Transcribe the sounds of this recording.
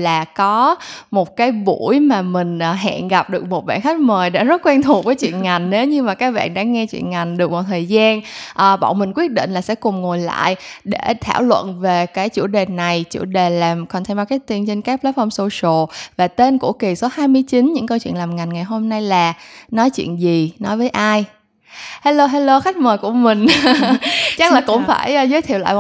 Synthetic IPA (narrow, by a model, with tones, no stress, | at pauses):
laː˨˩kɔ˨˦mo˨˩t̚kaː˨˦jɓu˧˩jmaː˨˩mï˨˩ŋ̟ʔːɦa̰ː˧˨nɣa˨˩p̚ɗɨ˨˩ək̚mo˨˩t̚ɓa̰ː˧˨nxa˦˥jk̟̚məː˨˩jɗa̰ː˧˥zə˦˥t̚kwɛ˧nt̪ʰu˨˩t̚vəː˨˦jt͡ɕwḭ˧˨ənŋa˨˩jŋ̟ne˨˦wɲɨ˧maː˨˩kaː˦˥k̚ɓa̰ː˧˨nɗa̰ː˧˥ŋɛ˧t͡ɕwḭ˧˨ənŋa˨˩jŋ̟ɗɨ˨˩ək̚mɔ˨˩t̪̚ʰəː˨˩jzaː˧nʔəː˨˩ɓɔ̰˧˨wmï˨˩ŋ̟kwi˦˥ət̚ɗḭ˧˨nlaː˨˩sɛ̰˧˥kʊ˨˩ŋ͡mŋo˨˩jla̰ː˧˨jɗe˧˩t̪ʰaː˧˩wlwə̰˧˨nve˨˩kaː˨˦jt͡ɕu˧˩əɗe˨˩na˨˩jt͡ɕṵ˧˩ɗe˨˩laː˨˩mkɔ˨˩nt̪ʰmɓaː˧ka˦˥j̚t̪i˧ənt͡ɕe˧nkaː˦˥k̚pla˦˥t̚fʰɔ˧mso˧so˨˩vaː˨˩t̪e˧nkṵ˧˩əki˨˩so˨˦haː˧jmɨ˧əjt͡ɕi˨˦nɲɨ̰˧˥ŋkə˧wt͡ɕwḭ˧˨ənlaː˨˩mŋa˨˩jŋ̟ŋa˨˩jɦo˧mna˧jlaː˨˩nɔ˨˦jt͡ɕwḭ˧˨ənzi˨˩nɔ˨˦jvəː˨˦jʔaː˧j | haː˧lo˧ɦaː˧jlo˧xa˦˥k̟̚məː˨˩jku˧˩əmï˨˩ŋ̟ | t͡ɕa˦˥k̚laː˨˩kʊ̰˧˥ŋ͡mfaː˧˩jʔzəː˨˦t̪ʰi˧˨la̰ː˧˨j